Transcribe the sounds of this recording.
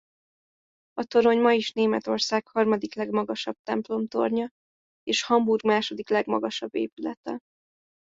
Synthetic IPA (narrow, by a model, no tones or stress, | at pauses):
ɒt̪o̞ɾo̞ɲmɒiʃneːmɛt̪o̞rsaːkhɒrmɒd̪iklɛɡmɒɡɒʃɒb̥̚t̪ɛmplo̞mt̪o̞̰rɲɒ | eːʃhɒmburɡmaːʃo̞d̪iklɛɡmɒɡɒʃɒbːḛːpylɛ̰t̪ɛ̰